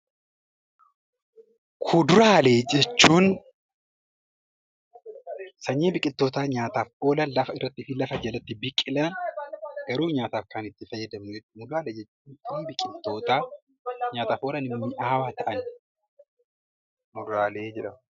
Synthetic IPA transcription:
kʰʊd̪ʊɾaːle̞ːd͡ʒɛt͡ʃːuːn | sɐɲːeːbɪkʼɪt̪ːo̞ːt̪aːɲaːt̪aːfoːlɐnlɐfɐɪrːɐt̪ːɪfɪlɐfɐd͡ʒɐlɐt̪ːɪbɪkʼːɪlɐnɡɐɾuːɲaːt̪aːfkanɪt̪ːɪfɐjːɐd̪ɐmnʊd͡ʒɛt͡ʃːuːmʊd̪ɾaːleːd͡ʒɛt͡ʃːuːnsɐɲːbɪkʼɪt̪ːo̞ːt̪aː | ɲaːt̪aːfʔoːlɐnɪmːɪʔaːwaːt̪ɐʔɐn | mʊd̪ɾaːleːd͡ʒɛᶑɐm

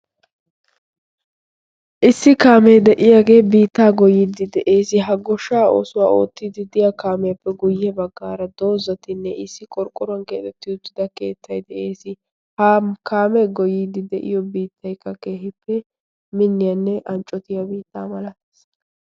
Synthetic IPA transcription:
ʔɪsːɪkaːmɛjd̪ɛʔɪjaːɡe̞ːbiːt̪ːaːɡɔjɪːd̪ɪd̪ɛʔe̞ːsɪɦɐɡɔʃːaːo̰ːsʊwaːo̞̰ːt̪ːɪd̪ɪd̪ɪjakaːmɛjɐpːɛɡʊjːɛbɐɡːaːɾɐd̪o̞ːzɐt̪ɪnːɛʔɪsːɪkʼɔɾkʼːʊɾɐnkeːt̪ɛt̪ːɪʊt̪ːɪd̪ɐke̞ːt̪ːɐjd̪ɛʔe̞ːsɪ | hakʰaːmɛɡɔjid̪ɪd̪ɛʔɪ̰jɔbiːt̪ʰːɐjkːɐke̞ːɦɪpːɛ | mɪnːɪjɐnːɛʔɐnt͡ʃʼɔt̪ɪjɐbiːt̪ːaːmɐlɐt̪s

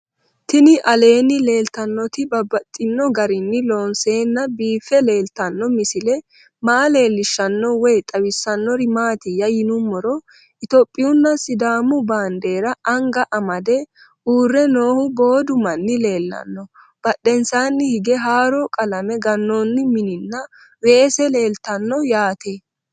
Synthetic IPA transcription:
t̪ɪnɪʔɐle̞ːnːɪle̞ːlt̪ɐnːɔt̪ɪbɐbɐt̪ʼːɪnːɔɡɐɾɪnːɪlo̞ːnse̞ːnːɐbiːfːɛle̞ːlt̪ɐnːɔmɪsɪlɛ | maʔːle̞ːlːɪʃːɐnːɔwɛjt̪ʼɐwɪsːɐnːɔɾɪmaːt̪ɪjɐjɪnʊmːɔɾɔ | ʔɪt̪opʼːɪjʊnːɐsɪd̪aːmʊbaːnd̪e̞ːɾɐʔɐŋɡɐʔɐmɐd̪ɛ | ʔuːrːɛno̞ːhʊbo̞ːd̪ʊmɐnːɪle̞ːlːɐ̰nːɔ | b̥ɐɗːɛnsaːnːɪhɪɡɛɦaːɾɔkʼɐlɐmɛɡɐnːoːnːɪmɪnɪnːɐ | weːsɛle̞ːlt̪ɐnːɔjaːt̪e

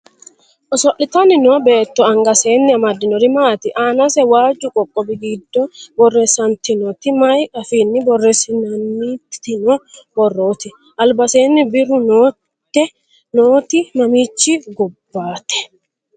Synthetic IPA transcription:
ʔɔsɔʔɪt̪ɐnɪnɔbe̞ːt̪ːɔɐŋɡɐse̞ːnːɪɐmɐd̪ːɪnɔɾɪmaːt̪ɪʔaːnɐsɛwaːd͡ʒːʊkʼɔkʼːɔbɪɡɪd̪ːɔbɔrːesɐnt̪ɪnɔt̪ɪmɐjɐfiːnːɪbɔrːesɪnɐnːit̪ɪnɔbɔrːoːt̪ɪ | ʔɐlbɐseːnːɪbɪɾʊnoː | ɛ | noːt̪ɪmɐmiːt͡ʃːɪɡʊbːaːt̪ɛ̥

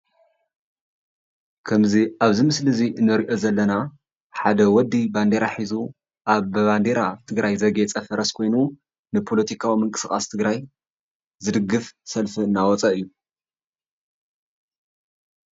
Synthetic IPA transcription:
kʰɐmziaβzimɨslɨziʔɨnːɐɾiʔo̞zɐlːɐna | ħad̪ɐwɔd̪ːiband̪e̞ɾaħizu | ʔaβband̪e̞ɾat̪ʰɨɡɾajzɐɡet͡sʼɐfɐɾɐskʰo̞jnu | nɨpʰo̞lɐt̪ʰikʰawimɨŋkʼɨ̥sxʼa̰st̪ʰɨɡɾaj | zɨd̪ɨɡɨfsɐlfiɨnːawɔt͡sʼɐʔɨjːu

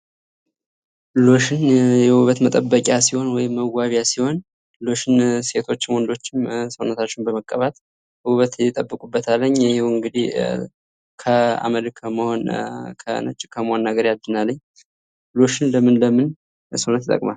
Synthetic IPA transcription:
lo̞ʃɪnjɛhuβət̪mət̪ʼəbːəkʼjasiho̞nwɔjɪmːəɡʷaβjasiho̞n | lo̞ʃɪnse̞t̪ʰo̞t͡ʃːɪmwɔnd̪o̞t͡ʃːɪmsəwnət̪ʰat͡ʃːɪnbəməkʼːəβat̪ | huβət̪jɪt̪ʼəbːɨkʼubːət̪ʰalːəɲːhihuɨŋɡɨd̪ih | kʰəa̰məlkʰəməho̞nkʰə̰nə̰t͡ʃʼːɪkʰəməhonːəɡəɾjad̪ɨnalːəɲː | lo̞ʃɪnləmɨnləmɨn | səwnət̪ɪt̪ʼə̰kʼmal

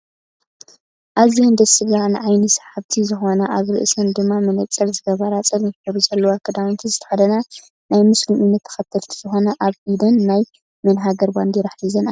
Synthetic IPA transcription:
ʔazihond̪ɐsɨɡanɨʕajnisħaβt̪ʰizɨxo̞nɐʔaβɾɨ̰ʔsɐnd̪ɨmːamɨnɐt͡sʼːɐlzɨɡɐβɐɾat͡sʼɐlnħɨβuzɐlːɐwakʰɐd̪awnt̪ʰizɨt̪ʰɐ̥ħad̪ɐna | najmɨsliunːɐt̪ʰːɐ̥xɐt̪ʰːɐlt̪ʰi̥z̥ɨxo̞nɐʔaβʔid̪ɐnːaj | mɨnɦaɡɐɾband̪iɾɐħlizɐna

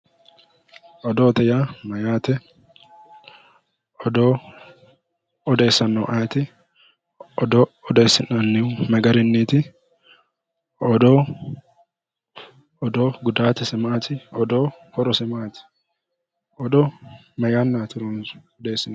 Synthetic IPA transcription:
ɔd̪oːt̪ɛjaːmɐjaːt̪ɛ | ɔd̪oː | ɔd̪e̞ːsːɐnːɔʔaːt̪ɪ | ɔd̪oɔd̪e̞ːsːɪnɐnːɪwmɐɡɐɾɪnːiːt̪ɪ | ɔd̪oː | ɔd̪oːɡʊd̪aːt̪ɛsɪmaːt̪ɪɔd̪oːhɔɾɔsɪmaːt̪ɪ̥ | ɔd̪o | mɐjaːnːaːt̪ɪɾuːnɔd̪e̞ːsːɪn

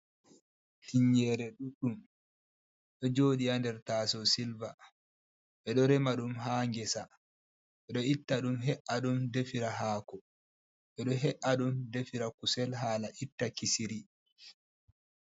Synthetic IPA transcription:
tiɲɛɾɛɗuɗum | ɗɔd͡ʒoːɗiandɛɾtaːsɔsilva | ɓɛɗɔɾɛmaɗumɦaːŋɡɛsa | ɓɛɗɔitːaɗumɦɛʔaɗumdefiɾaɦaːkɔ | ɓɛɗɔɦɛʔaɗumdefiɾakusɛlɦaːlaʔitːakisiɾi

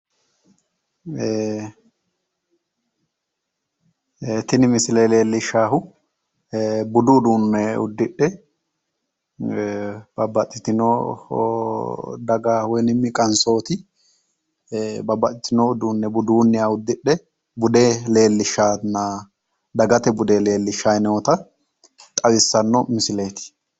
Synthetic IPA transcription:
t̪ɪnɪmɪsɪleːle̞ːlːɪʃaːhʊ | bʊd̪ʊːd̪uːnːɛʊ̰d̪ːɪɗːɛ | b̥ɐbɐt̪ʼːɪt̪ɪno | d̪ɐɡawɔjnɪmːɪkʼɐnso̞ːt̪ɪ | bɐbːɐt̪ʼɪt̪ɪnɔʊd̪uːnːɛbʊd̪uːnːɪjaːʊd̪ːɪɗːɛ | bʊd̪eːle̞ːlːɪʃːaːna | d̪ɐɡɐt̪ɛbʊd̪eːle̞ːlːɪʃːajnɛwɔt̪ɐ | t̪ʼɐwɪsːɐnːɔmɪsɪle̞ːt̪ɪ̥

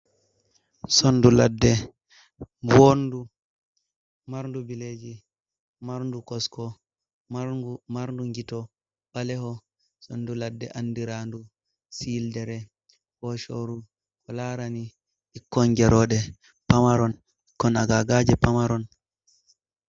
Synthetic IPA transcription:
sonduladːɛ | wondu | maɾdubiled͡ʒi | maɾndukɔskɔ | maɾumaɾnduŋɡitɔ | b̥alɛhɔ | sonduladːɛʔandiɾandu | sildɛɾɛ | fɔʃoɾu | kɔlaːɾani | ʔikːɔŋɡɛɾɔɗɛ | pamaɾɔn | ikːɔnaɡaɡad͡ʒɛpamaɾɔn

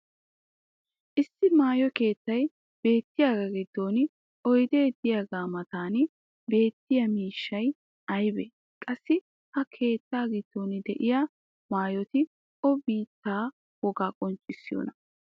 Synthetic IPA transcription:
ʔɪsːɪmaːjɔke̞ːt̪ːɐj | b̥e̞ːt̪ːɪjaːɡɐɡɪd̪ːo̞ːnɪ | ɔjd̪e̞ːd̪ɪjaɡaːmɐt̪aːn | be̞ːt̪ːɪjɐmiːʃːɐj | ʔɐjbɛ | kʼɐsːɪ | hɐkʰe̞ːt̪ːaːɡɪd̪̥ːo̞ːnɪd̪ɛʔɪjaː | maːjɔt̪ɪ | ʔɔbiːt̪ːaː | wɔɡaːkʼɔnt͡ʃʼɪsːɪjo̰ːnɐ

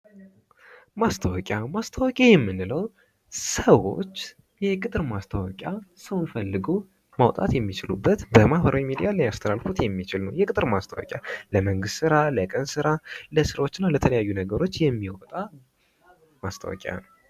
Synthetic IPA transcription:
mast̪ʰəwɔkʼamast̪ʰəwɔkʼajɛmːɨnːɨləw | səwo̞̰t͡ʃː | jɛkʼɨt̪ʼɨɾmast̪ʰəwɔkʼjasəwnfəlːɨɡo | mawt̪ʼa̰t̪jɛmːit͡ʃɪlubːət̪bəmahbəɾawimid̪ijaləjast̪ʰəɾalfut̪jɛmːit͡ʃɪlnəwjɛkʼɨt̪ʼɨɾmast̪ʰəwɔ̰kʼjaləməŋɡɨst̪sɨɾaləkʼənsɨɾaləsɨɾwo̞t͡ʃːɪnːalət̪ʰələjajːunəɡəɾo̞t͡ʃːjɛmːiwɔ̰t̪ʼa | mast̪ʰə̰wɔ̰kʼja̰nəw

